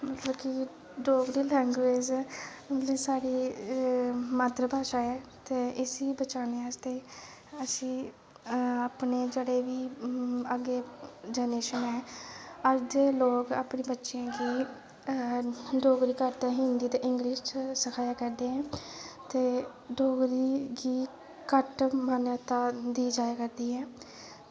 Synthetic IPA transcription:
mət̪ləbki | ɖoːɡɾiːlɛ̃ːŋɡʋeːd͡ʒmət̪lisaːɽiː | maːt̪ɾəbʱaːʃaːɛːt̪eːʔɪsiːbət͡ʃaːneːaːd͡ʒt̪eː | əsĩː | aːpneːd͡ʒeɽeːʋiːəɡeːd͡ʒɛːneːʃənɛːəɾd͡ʒeloːka̰ːpɳeːbətːʃjãːɡiː | ɖoːɡɾiːkəʈt̪ːɦɪnd̪iːt̪eːʔɪŋɡliːʃt͡ʃsəkʰaːjaːkəɾd̪eːɦɛ̃ːt̪eː | ɖoːɡɾiːɡiː | kəʈmaːnaːt̪aːd̪iːd͡ʒaːaːkəɾd̪iːɛː

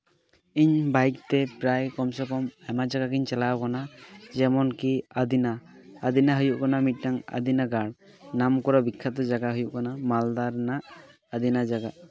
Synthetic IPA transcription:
iɲbajk̚t̪ɛpɾajkɔmsɔkɔmajmad͡ʒaɡakiɲt͡ʃɛlakɔnazɛmɔnkiad̪inaː | d̪inaɦɯjuʔkɔnamit̚ˀnaŋa̰d̪inaɡaɽ | namkɔɾabikʰːat̪ɔd͡ʒaɡaɦujuʔkɔnamald̪aɾnaʔː | d̪inad͡ʒaɡa

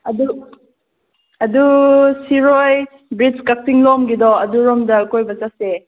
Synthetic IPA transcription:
ɐdu | ɐdusiɾoj | bɾid͡ʒkak̚tiŋlɔmɡidɔɐduɾɔmdɐkojbɐt͡ʃase

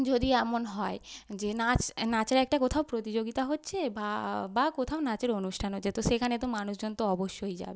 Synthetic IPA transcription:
d͡ʑod̪iɛmonɦɔed͡ʑenat͡ɕnat͡ɕeɾɛk̚ʈakot̪ʰaopɾot̪id͡ʑoɡit̪aɦotːɕʰebabakot̪ʰaonat͡ɕeɾonuʃʈʰanɦotːʰet̪oʃekʰanet̪omanuʃd͡ʑɔnt̪oɔboʃːojd͡ʑa̰be

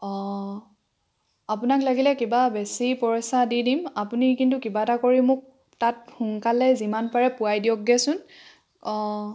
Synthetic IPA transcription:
apʊnaklaɡilɛkibabesipɔɹɔsadidimapunikintukibatakoɹimʊk̚ | tat̚hʊŋkalɛzimanpaɹɛpʊajdiɔk̚ɡɛsʊn

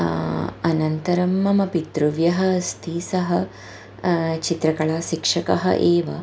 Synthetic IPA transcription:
ɐnɐnt̪ɐɾɐmːɐmɐpit̪ɾuʋjɐɦɐst̪ʰiːsɐɦɐ | t͡ʃit̪ɾɐkɐɭaːʃikʂɐkɐɦɐ̰ʔeːʋɐ̰

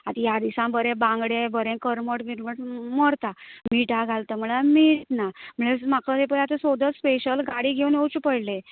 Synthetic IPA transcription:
at̪ijad̪isãbʱəɾẽbãŋɡɽẽbəɾẽkəɾməʈmiɾməməɾt̪amiʈaɡʱalt̪əm̤əɭamit̪nam̤əɭemakət̪epəɾat̪esod̪əspeɕəlɡaɽiːɡʱeunjot͡ɕupəɽle

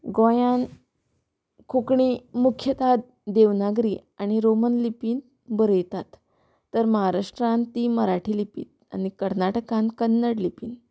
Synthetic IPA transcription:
ɡõjan | kʰokɳiːmukʰjət̪ad̪̚ | d̪eʋnaɡɾiːaɽ̃iɾomənlipiːn | bəɾəjt̪at̪ː | əɾməɦaɾaʂʈɾãnt̪iːməɾaʈʰiːlipḭːt̪̚a̰ɽ̃ikəɾnaʈəkãnkənːəɽlipiːn

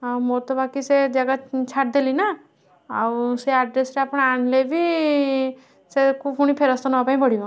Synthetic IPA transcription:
amoɾt̪obakised͡ʒaɡat͡ʃʰaʈ̚d̪elina | awseaɖɾesɾeaːpɽ̃aaɳlebʱi | sekuuɽ̃ipʰeɾəst̪onɔapaĩbəɽ̤imã

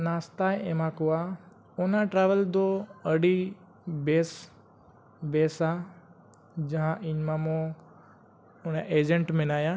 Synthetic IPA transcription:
naːst̪aːjemãkoa | onãʈɾaːʋəld̪oəɽi | beːs | beːsa | d͡ʑɐ̃ɦãʔɪɲmamõ | ʊnaʔeːd͡ʒə̃ɳʈmẽnaːjã

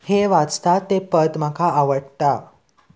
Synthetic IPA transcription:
heʋat͡st̪at̪ːepət̪makʰaaʋəɽt̪a

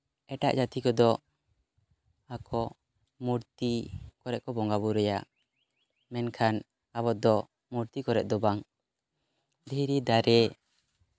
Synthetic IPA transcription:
ɛʈa̰ʔd͡ʒat̪ikɔd̪ɔ | akʰɔ | muɾt̪ikɔɾɛʔ̚kɔbɔŋɡaβuɾɛjaʔ | mɛnkʰan | abɔd̪ɔ | muɾt̪ikɔɾɛ̰ʔ̚d̪ɔbaŋ | d̪ʱiɾid̪aɾɛ

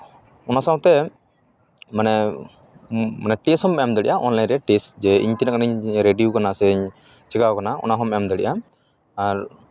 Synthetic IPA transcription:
ɔnasaw̃t̪ɛ | manɛ | manɛʈishɔmɛamd̪ɛɽḭʔaʔɔnlajnɾɛʈisd͡ʒɛḭɲt̪inakanaiɲɾeɖijukanasɛiɲ | t͡ʃɛkawkanaɔ̰naɦɔmɛɔmd̪ɛɽiʔa | aɾ

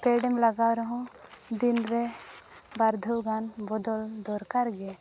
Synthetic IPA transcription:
keɖɛmlaɡawɾɔɦɔ̃ | d̪inɾɛ | baɾd̪ʱɔwɡanbɔd̪ɔld̪ɔɾkaɾɡɛ

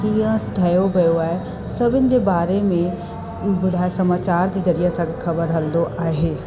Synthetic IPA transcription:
tiãst̪ʰɐjobʱɐjoaːe | sɐbʱɪnd͡ʑebaːɾemẽ | bʊd̪ʱaːesɐmaːt͡ɕaːɾd͡ʑizɐɾijasãkexʰɐbəɾɦɐld̪oʔaːɦeː

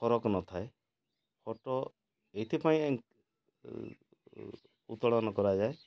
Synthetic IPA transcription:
pʰɔɾɔknɔt̪ʰae | pʰɔʈɔ | eit̪ʰipaĩeŋk | ṵt̪ɔɽɔnɔkɔɾad͡ʒae

